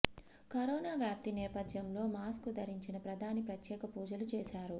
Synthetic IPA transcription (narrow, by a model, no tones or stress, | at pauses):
kɐɾoːnaːʋjaːp̚t̪inɛːpɐd̪jɐmlo̞ːmaːskud̪ɐɾiɲt͡ʃinɐpɾɐd̪ʱaːnipɾɐt̪jɛːkɐpuːd͡ʒɐlut͡ʃeːʃaːɾu